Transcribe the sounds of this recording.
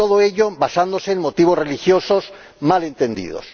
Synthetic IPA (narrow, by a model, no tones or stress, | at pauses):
oðoe̞ʎoβasand̪ose̞ːnmot̪iβ̞o̞zre̞lixjo̞so̞s | male̞nt̪end̪ḭð̞o̞̰s